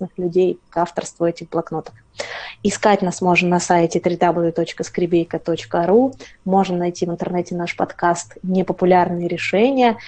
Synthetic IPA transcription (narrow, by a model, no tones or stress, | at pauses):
snɨxlʲʉdʲejkaft̪ərst̪vʊɛtʲɪxblˠɐkno̞t̪ə̥k | ɪskatʲnasmo̞ʐnnɐsaɪtʲɪt̪ɾʲɪd̪ablˠʲʊt̪ot͡ɕkəskɾʲɪbʲejkət̪ot͡ɕkəɾumo̞ʐnənɐjtʲivɨnt̪ərnɛtʲɪnaʂpɐt̪kast̪nʲɪpəpʊlʲarnɨjəɾʲɪʂɛnʲɪjə